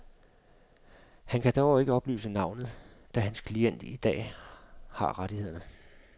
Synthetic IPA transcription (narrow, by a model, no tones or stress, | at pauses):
hænkʰæd̥æːɒʊe̝ɡ̥əɒ̽b̥ly̰ːsənɑ̈ʊnð̞̩ˠd̥æɦænskʰlien̰d̥id̥ɛ̰ː | hɑ̈ʁɑɾihe̝ð̰ˠɐnə